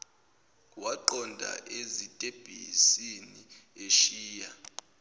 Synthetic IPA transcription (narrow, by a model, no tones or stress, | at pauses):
waǃɔndʱa̰ʔezitʼeb̥ʱḭsini | eʃiːja